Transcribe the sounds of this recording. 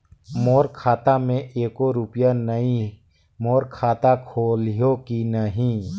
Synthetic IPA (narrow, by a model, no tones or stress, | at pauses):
moːɾkʰaːt̪amẽʔeːkoɾʊpjanɐɦĩ | moːɾkʰaːt̪akʰoːlijokinəɦĩ